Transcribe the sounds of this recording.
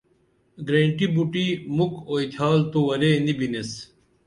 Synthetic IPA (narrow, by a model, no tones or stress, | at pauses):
ɡɾeːɳʈibuʈimukoːit̪ʰaːlt̪uwɐɾeːnibines